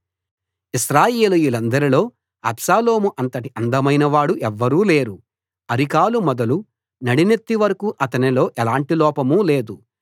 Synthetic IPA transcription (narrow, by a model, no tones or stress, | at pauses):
isɾaːjeːlijulɐnd̪ɐɾilo̞ː | ɐbsaːlo̞ːmuʔɐnt̪ɐʈiʔɐnd̪ɐmɐjnɐʋaːɽuʔɛʋːɐɾuːle̞ːɾu | ɐɾikaːlumɔd̪ɐlu | nɐɽine̞t̪ːiʋɐɾɐkuʔɐt̪ɐnilo̞ːʔɛlaːɳʈilɔːpɐmuːle̞ːd̪u